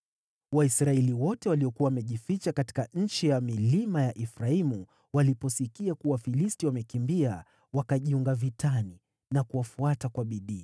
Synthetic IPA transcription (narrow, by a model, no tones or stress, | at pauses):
waisɾaɛliwɔtɛwaliɔkuawamɛʄifit͡ʃakati̥kaɲ̩t͡ʃijamilimajaʔifɾaimu | walipɔsikiakuwafilistiwamɛkimbia | wakaʄiuŋɡavitʰani | nakuwafuatakwaɓiɗiː